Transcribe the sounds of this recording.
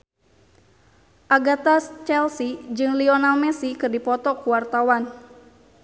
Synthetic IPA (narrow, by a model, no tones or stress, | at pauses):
ʔaɡat̪ast͡ʃɛlsid͡ʒɨŋliɔnalmɛsikɨrdipɔt̪ɔkuwart̪awan